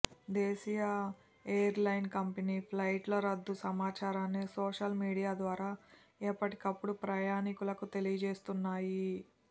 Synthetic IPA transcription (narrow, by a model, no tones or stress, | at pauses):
d̪eːsija | eːjɐɾlɐjnkɐmpeniːpʰlɐjʈlɐɾɐd̪ːusɐmaːt͡ʃaːɾaːnːisoːʂɐlmiːɽijaːd̪ʋaːɾaː | ɛːpːɐʈikɐpːuɽupɾɐjaːnikulɐkut̪elijɐd͡ʒe̞ːst̪unːaːji